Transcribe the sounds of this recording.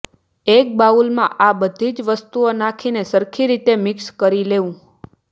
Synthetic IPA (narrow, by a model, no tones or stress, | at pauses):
ek̚baulmã̰ʔabəd̪ʱid͡ʒʋəst̪uonakʰinesəɾkʰiɾit̪emɪkskəɾileʋũ